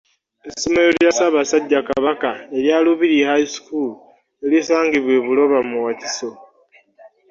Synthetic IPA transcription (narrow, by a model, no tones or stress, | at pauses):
esimejoljasaβasaɟːakaβakae̞ɾjaːluβiɾihaiskulu | elisaːŋɡiβwe̞βulo̞βamuwati̥so̞